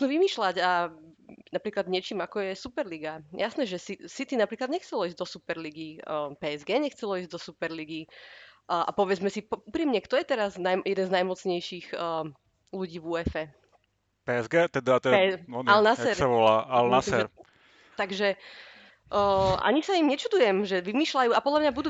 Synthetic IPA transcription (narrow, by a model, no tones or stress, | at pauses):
nuːʋimiːʃlaɟa | napɾiːklad̪ɲɪɛt͡ʃiːmakɔjɛsupɛɾliɡajasnɛːʒɛsisit̪inapɾiːklad̪ɲɛxt͡sɛlɔiːzɟd̪ɔsupɛɾliɡipɛːɛzɡɛːɲɛxt͡sɛlɔiːzɟd̪ɔsupɛɾliɡi | ʔa̰pɔʋɛd͡zmɛsipuːpɾiːmɲɛkt̪ɔjɛt̪ɛɾaznajmjɛd̪ɛnznajmɔt͡sɲɛjʃiːɣə | luɟiːʋuːɛfɛ | pɛɛzɡɛːt̪ɛd̪at̪ɛɛalnasɛɾsaʋɔlaːʔalnasiɛɾ | t̪aɡʒɛ | ʔa̰ɲisaimɲɛt͡ʃud̪ujɛmʒɛʋimiːʃlajuːapɔd̪lamɲabud̪uː